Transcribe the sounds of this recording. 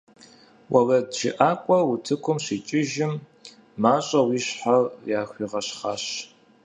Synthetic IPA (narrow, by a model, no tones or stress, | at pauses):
wʔɐlɐdʒɪ̰ʔaːkʷʼɔwutʰɨkʷʊmɕiːt͡ʃʼɪʒɪm | maːɕʼɐwiːɕħarjaːxʷiːʁɐɕχaːɕ